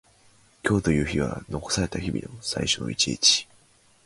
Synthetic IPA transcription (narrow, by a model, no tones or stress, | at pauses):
kʲo̞ːt̪o̞jɯ̟ːçiβa̰no̞ko̞̥saɾe̞t̪açibʲḭd̪oosa̰iɕo̞no̞̰it͡ɕiit͡ɕi̥